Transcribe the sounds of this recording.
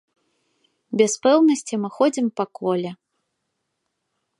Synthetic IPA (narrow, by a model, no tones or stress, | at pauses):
bʲɛspɛwnɐsʲt͡sʲimɨxɔd͡zʲimpakɔlʲɛ